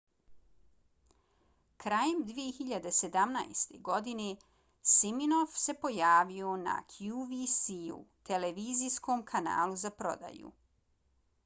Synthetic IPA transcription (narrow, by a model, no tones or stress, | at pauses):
kɾaːjemd̪ʋijexiʎad̪e̞se̞d̪amna̰jest̪e̞̰ɡo̞d̪ine | siminofse̞po̞jaːʋiona̰kʰjuʋisiṵt̪e̞leʋiːzisko̞mkʰana̰ːlˠuzapɾo̞̰d̪a̰jṵ